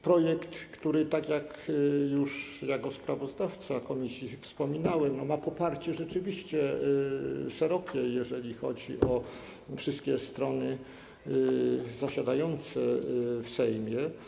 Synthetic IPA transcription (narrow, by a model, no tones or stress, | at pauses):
pɾɔjɛkt̪kt̪uɾɘt̪akʲjak | juʂjakɔspɾavɔzd̪aft̪sakɔmʲisʲjifspɔmʲinawɛmnɔmapɔpaɾt͡ɕɛʐɛt͡ʂɘvʲiɕt͡ɕɛ | ʂɛɾɔkʲɛjɛʐɛlʲixɔ̰d͡ʑḭʔɔ | fʂɘst̪̚kʲɛst̪ɾɔnɘ | zaɕad̪ajɔnt̪sɛfsɛjmʲjɛ